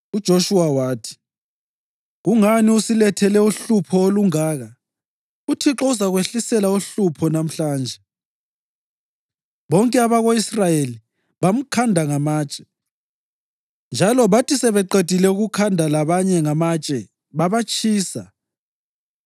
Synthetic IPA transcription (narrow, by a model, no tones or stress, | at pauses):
ud̥ʒ̥ʱoʃuwawaːtʰi̥ | ɣuŋaniusilɛtʰɛlɛuɬupʰɔoluŋaːɣa | utʰiǁɔusaɣweɬisɛlauɬupʰɔnam̩ɬaːnd͡ʒʱɛ | βɔŋkʼɛaβaɣoisrajeli | βam̩kʰandʱaŋamaːt͡ʃʼɛ̥ | nd͡ʒʱalɔβatʰisɛβɛǃed̥ʱilɛuɣukʰandʱalaβaɲɛŋamat͡ʃʼɛ | βaβat͡ʃʼiːsa